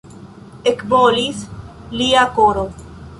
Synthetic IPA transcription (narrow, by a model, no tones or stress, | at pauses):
ekvolis | liakoɾo